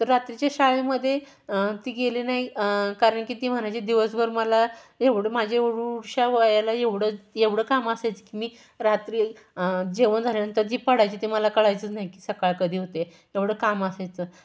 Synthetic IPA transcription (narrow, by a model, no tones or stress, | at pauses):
t̪əɾɾat̪ɾit͡ɕjaɕaɭeməd̪ʱːje | t̪iːɡelenaɦikaɾəɳkiːt̪iːm̤əɳat͡ɕed̪iʋəsbəɾməlajeʋɽəmad͡ʑʱeuɽuɽɕaʋjalajeʋɽəeʋɽ̤əːkaməsajt͡skimiː | ɾat̪ɾiː | d͡ʑeʋənd͡zʱalenənt̪əɾd͡ʑiːpəɽ̤ajt͡ɕiːt̪iməlakəɭajt͡sət͡snaɦikiːsəkaɭkəd̪ʱiːɦot̪e | eʋɽ̤əːkaməsajt͡sə